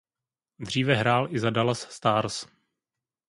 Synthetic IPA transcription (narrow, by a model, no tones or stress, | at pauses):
d̪r̝iːvɛɦɾaːlʔɪzadalasːt̪aːɾs